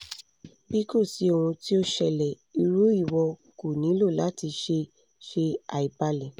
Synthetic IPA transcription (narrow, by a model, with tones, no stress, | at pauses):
bi˦ko˦˨si˨˦o˨wũ˧ti˦o˧ʃɛ˨lɛ˨ | i˧ɾu˨˦i˦˨wɔ˧ | ku˨nĩ˨˦lo˦˨la˨˦ti˧ʃe˧ | ʃe˧a˨i˨ba˧lɛ˨